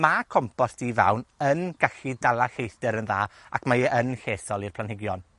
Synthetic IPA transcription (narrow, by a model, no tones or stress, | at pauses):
makʰɔmpʰɔsd̥iva̰wnənɡ̥aɬidalˠaɬejθd̥ɛɾənðaːa̰kʰmaənɬeːθɔlˠirpʰlˠanhɪɡjɔn